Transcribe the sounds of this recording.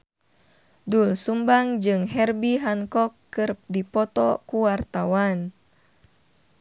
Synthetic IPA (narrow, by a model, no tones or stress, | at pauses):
dulsumbaŋd͡ʒɨŋɦɛrbiɦaŋkɔkːɨrp̚dipɔt̪ɔkuwart̪awan